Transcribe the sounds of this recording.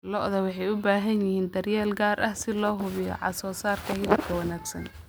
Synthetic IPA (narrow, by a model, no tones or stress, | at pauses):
lɔʔðɐwɑħɑjʊbaːɦɐnjɪhiːnd̪ɐrjɛːlɡaːrɐhsɪlɔːɦʊβɪjɔ̰ʕɑ̰sɔːsaːrkʰɐhɪlɪbkʰɐwɑnaːɡsɐ̰n